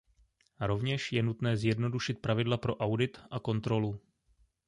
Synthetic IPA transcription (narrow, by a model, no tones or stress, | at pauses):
ɾo̞vɲɛʃjɛnut̪nɛːzjɛdno̞duʃɪt̪̚pɾavɪdlapɾo̞ʔawdɪt̪ʔako̞nt̪ɾo̞lu